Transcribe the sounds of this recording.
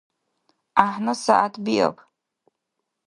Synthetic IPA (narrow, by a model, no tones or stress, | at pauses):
aħnɨsaʔatʰbiʔa̰pʰʼ